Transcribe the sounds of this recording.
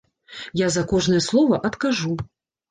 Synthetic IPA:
jazɐkɔʐnɨjɛslˠɔvɐʔɐt̪kaʐu

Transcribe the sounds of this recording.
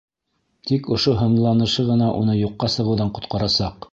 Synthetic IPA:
t̪ikŏʃoɦɤ̆nlˠɑnɤ̆ʃɤʁɤ̆nɑʔṵnɤjuqːɑsɤ̆ʁɤ̆wðɑɴqŏt̪qɑɾɑsɑq

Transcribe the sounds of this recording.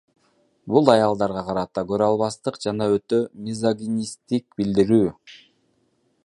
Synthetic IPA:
bulˠɑjɑlˠd̪ɑɾʁɑqɑɾɑt̪ɑɡø̞ɾɑlˠβɑst̪ɯqd͡ʒɑnɑø̞t̪ø̞mʲizaɡʲinʲist̪ik̚bild̪iɾyː

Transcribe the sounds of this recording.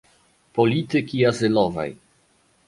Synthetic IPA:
polʲit̪ɨkʲiazɪlɔva̰j

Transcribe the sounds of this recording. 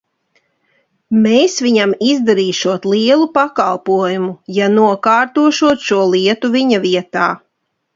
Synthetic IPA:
meːsʋiɲamizd̪aɾiːʃuɔt̪lˠiɛlˠupakalˠpuɔjumujanuɔkaːɾt̪uɔʃuɔt̪ʃuɔlˠiɛt̪uviɲaviɛt̪aː

